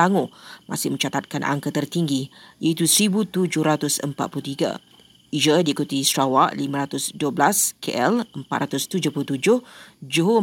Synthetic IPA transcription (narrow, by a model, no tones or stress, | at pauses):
aŋʊmʔa̰sɪhmə̃ɲt͡ʃat̪at̪̚kanʔa̰ŋkat̪ərt̪iŋɡijait̪usəɾibut̪ud͡ʒʊhɾat̪ʊsə̰mpa̰t̪̚pulut̪iɡa̰ | id͡ʒədiːkut̪ist̪ɾawaʔlimãɾat̪ʊsduəblaskḛʔɛləmpat̪̚ɾat̪ʊst̪ud͡ʒʊhpulut̪ud͡ʒʊhd͡ʒoɦo